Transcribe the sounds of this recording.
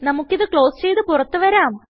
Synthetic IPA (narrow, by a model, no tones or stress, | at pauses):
nɐmukːiðɨkɭo̞ːst͡ɕe̞jt̪ɨpurɐt̪ːuʋɐɾaːm